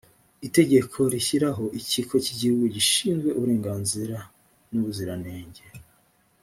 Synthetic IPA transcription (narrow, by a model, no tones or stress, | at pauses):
ite̞ɟe̞kʰo̞ɾiçiɾaɦo̞ʔicikʰo̞ciɟihuɡuɟiʃiːnzɡwe̞ʔuβuɾe̞ːŋɡaːnziɾa | nuβuziɾane̞ːɲɟe̞